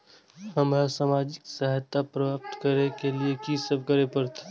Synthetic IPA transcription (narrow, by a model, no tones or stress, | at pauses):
həmasaːmaːd͡ʒɪksəɦt̪apɾɐʋaːpt̪kəɾnekeliekisəbkəɾepəɾt̪ʰe̥